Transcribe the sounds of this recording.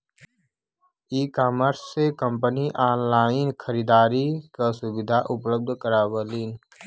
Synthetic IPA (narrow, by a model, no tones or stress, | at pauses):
iːkaːməɾsːekə̃mpəniʔaːnlaːɪnkʰəɾid̪aːɾikasʊbɪd̪ʱaʔʊpləb̚d̪ʱkəɾaːbəliːn